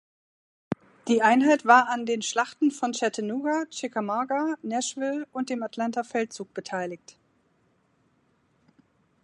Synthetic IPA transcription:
d̥iːʔaɪnɦaɪtv̥aːɐandeːnʃlaχtn̩fɔnt͡ʃɛtʰənuːɡat͡ʃɪkamɔɡanɛʃv̥ɪlʊnt̚d̥eːmatlantafɛlt̚t͡suːk̚b̥ətʰaɪlɪçt

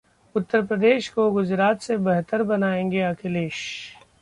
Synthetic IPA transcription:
ʊt̪ːəɾpɾəd̪eːʃkoɡʊd͡ʒɾaːt̪sebɐɦt̪əɾbɐnaːẽːŋɡeɐkʰɪleːʃ

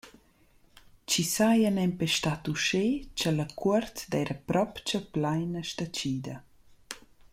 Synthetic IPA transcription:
t͡ʃisajanɛmpɛʃt̪at̪uʃet͡ʃalakɔɾt̪d̪ɛɾʔəpɾɔpt͡ʃɐplajnəʃt̪at͡ʃiːd̪ɐ

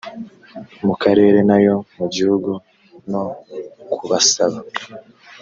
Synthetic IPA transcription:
mukaɾe̞ːɾe̞najo̞muɟihuɡu | no̞kuβasaβa

